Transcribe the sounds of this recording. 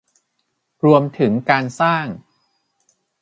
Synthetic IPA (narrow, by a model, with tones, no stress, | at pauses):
ɾu˧əmt̪ʰɯ˩˦ŋkaː˧nsaː˥˩ŋ